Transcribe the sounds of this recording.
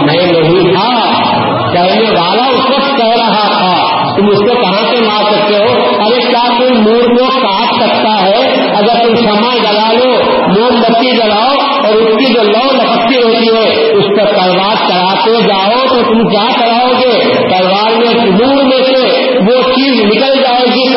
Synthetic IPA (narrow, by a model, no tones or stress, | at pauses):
nɐɦĩloɦĩt̪ʰa | kɐneʋaːlaʊt̪ɾɐt̪kɛɦɾɐɦat̪ʰa | t̪ʊmʊskekɐɦãkemaːɾsɐk̚t̪eɦo | ɐɾeklasʊnmoːɾkokaːt͡ʃsɐk̚t̪aɦɛ | ɐɡəɾt̪ʊmsɐmad͡ʒɐlaːlo | moːɾmət̪ːid͡ʒɐlaːo | ɔːɾʊskid͡ʒoːlɔːnɐpəkt̪ːiɾoːt̪iɦɛ | ʊspɐɾpɐɾʋaːɾt͡ʃɐɽaːt̪ed͡ʒaːot̪ot̪ʊmkjaːt͡ʃɐɽaːoɡeː | pɐɾʋaːɾmẽkmuːɾmẽkle | ʋot͡ʃiːznɪkəld͡ʒaːeɡik